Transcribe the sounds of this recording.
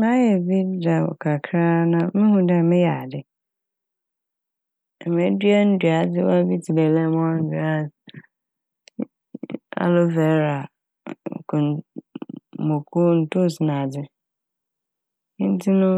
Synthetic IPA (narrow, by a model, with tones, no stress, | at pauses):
mã˦jɛ˨bi˦da˨ɔ̰˨kʰa˨kʰɾa˦nã˨˦mɪ̃˦hũ˦da˨mɪ̃˦ja˨dɪ˨ | m˨e˨˦dɥa˦n̩˦dɥa˨˦dɪ˦wa˦bi˦ti˨le˨lɛ˦mɔ̃˦n̩˦da˦˨ | a̰˨lo˦vɛ˨˦ɾa˨ | kʰʊ˨ | mõ˨kʰu˦n̩˨tʊ˦sɪ˨nã˨dɪ˦ | n̩˦tʰi˦nʊ̃˦